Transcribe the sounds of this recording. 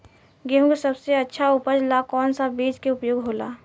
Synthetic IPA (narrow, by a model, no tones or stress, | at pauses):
ɡeɦũkesɐbseɐtːʃʰaʊpəd͡ʒlakɔːnsabeːd͡ʒkeʊpjoːɡɦoːla̰ː